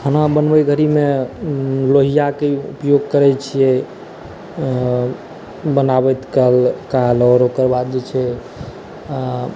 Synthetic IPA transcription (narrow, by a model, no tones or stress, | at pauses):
hənabənbəjɡʱəɾime | loɦijakeṵpjoɡkəɾɛt͡ʃʰijɛ | bənabɛt̪kəlkalɔɾokəɾbad̪̚d͡ʒet͡ʃʰɛ | a